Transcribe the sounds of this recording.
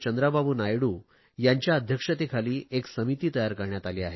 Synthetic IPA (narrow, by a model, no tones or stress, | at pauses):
t͡ɕənd̪ɾababuːnajɽuː | jaɲt͡ɕjaəd̪ʱjəkʂət̪ekʰaliːʔeksəmit̪iːt̪əjaɾkəɾɳjat̪aliːaɦe